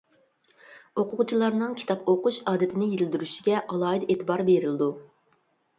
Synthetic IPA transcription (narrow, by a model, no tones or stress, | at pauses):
oqʰʊʁʊt͡ʃʰilˠɑɾnɨŋkʲʰi̥t̪ɑpoqʊʃɑːd̪ɪt̪ʰɪnɪjezɪld̪yɾyʃiɡʲɛʔɑlˠɑːid̪et̪ʰɪbɑɾbeɾɪlɪd̪u